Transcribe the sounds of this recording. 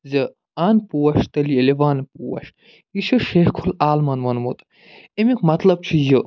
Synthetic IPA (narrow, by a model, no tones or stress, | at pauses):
zɐ | aːnpuwɐʃt̪ɐlieleʋaːnpuwɐ̰ʃ | jiʃɐʃeːhkʰulaːlmɐnmɐnmut̪ | emikʰmɐt̪lɐb̚t͡ʃʰijɨ